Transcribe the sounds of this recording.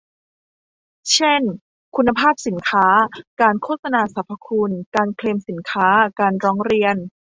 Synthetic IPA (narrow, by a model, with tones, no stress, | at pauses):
t͡ɕʰe˥˩n | kʰu˧nːa˧pʰaː˥˩p̚si˨˩˦nkʰaː˦˥kaː˧nkʰoː˥˩t̪̚sa˧naː˧sa˨˩˦pʰɾa˧kʰu˧nkaː˧nkʰleː˧msi˩˦nkʰaː˦˥kaː˧nɾɔː˦˥ŋɾi˧ən